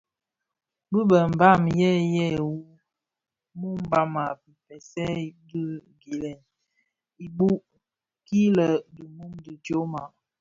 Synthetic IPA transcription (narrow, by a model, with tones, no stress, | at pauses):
bə˦bə˨m̩˨ba˦˨mjɛ˦jɛ˦˨wu˦ | mu˦m˦ba˦ma˨bi˨pɛ˨sɛ˦˨di˦ | ɡi˨lɛ˨n | i˨bu˦ʔ | ki˦lə˨du˨mu˦mdi˨to˦ma˨